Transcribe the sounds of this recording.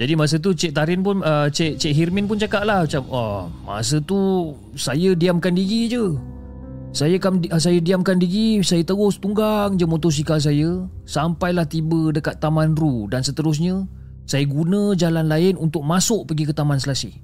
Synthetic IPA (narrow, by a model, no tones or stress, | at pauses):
d͡ʒadimas̬ət̪̬ut͡ʃɛʔ̚t̪aɾɪnpʊnət͡ʃɛʔt͡ʃɛʔɦirminpʊnt͡ʃakaʔ̚lahmat͡ʃaməma̰s̬ət̪u | sajədiamkandiɡid͡ʒə | sajəkaməs̬ajədiamkandiɡisajət̪əɡʊst̪uŋɡaŋd͡ʒəmot̪os̬ikas̬ajəsampajlaht̪ibədəkat̪ːamanrudansət̪əɾʊs̬ɲə̃ | sajəɡunə̃d͡ʒalanlaɪnunt̪ʊk̚masʊʔ̚pəɡikət̪amansəlasi